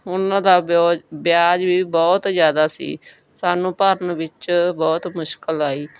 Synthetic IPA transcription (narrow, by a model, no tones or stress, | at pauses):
ʊnãːd̪aːoːbjaːd͡ʒbiːbɔːt̪zjaːd̪aːsḭː | saːnũːpaːɾənʋɪt͡ʃbɔːt̪mʊʃkəlaːiː